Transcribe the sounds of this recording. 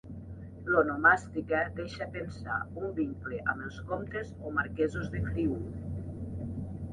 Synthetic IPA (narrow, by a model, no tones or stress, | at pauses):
lonomast̪ikəd̪eʃapensa̰umbiŋkleʔamelˠskomt̪ezomaɾkɛzozðekɾiu